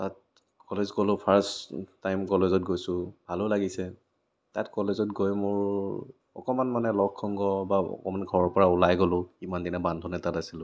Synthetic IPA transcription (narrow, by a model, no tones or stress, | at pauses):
tat̚ | kɔlezkɔlʊpʰaɹstːajmkɔlezɔt̚ɡojsʊ̃bʱalʊlaɡisɛ | tatkɔlezɔt̚ɡojmʊɹ | ɔ̰kɔmanmanɛlɔkʰːɔŋɡɔbaɔ̰kɔmanɡʱɔɹɔɹpɔɹaulajɡɔlʊimandinɛbandʱɔnɛtatasilʊ̃